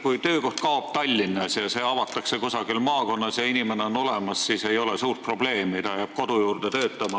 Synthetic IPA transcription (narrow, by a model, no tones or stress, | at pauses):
kujt̪ø̞ːko̞ht̪̚kɑob̥̚t̪ɑlʲːinːɑsjɑse̞ɑvɑt̪ːˑɑksekusɑɡ̥ilmɑːko̞nːɑsjɑinimeneo̞no̞le̞mɑssiːse̞jo̞lesuːrt̪̚pro̞b̥le̞ːmit̪ɑjæːb̥ko̞d̪̥ujuːrd̪̥et̪ø̞ːt̪ːˑɑmɑ